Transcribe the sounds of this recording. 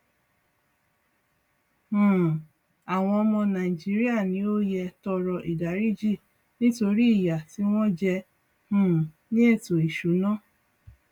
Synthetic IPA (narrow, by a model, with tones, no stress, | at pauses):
h̩˦˨ | a˨w̃ɔ̃˧ɔ˧mɔ̃˧nã˨i˨d͡ʒi˦ɾi˦a˦˨nĩ˧˦o˦jɛ˧tɔ˧ɾɔ˧ʔi˨da˨˦ɾi˦˨d͡ʒi˦˨ | nĩ˦to˧ɾi˦i˦˨ja˨ti˦w̃ɔ̃˦d͡ʒɛ˧ | hũ˦˨ | nĩ˦e˦˨to˨i˨ʃu˨˦nã˦˨